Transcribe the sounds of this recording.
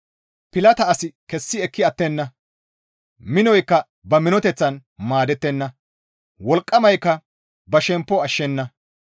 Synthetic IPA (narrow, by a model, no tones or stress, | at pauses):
pɪlɐt̪ɐːsɪkɛsːɪɛkːɪɐt̪ːɛnːɐ | mɪnɔjkːɐ | bɐmɪnɔt̪ɛt͡sːɐnmaːd̪ɛt̪ːɛnːɐ | wɔlkʼːɐmɐjkːɐ | bɐʃɛmpːɔɐʃːɛnːɐ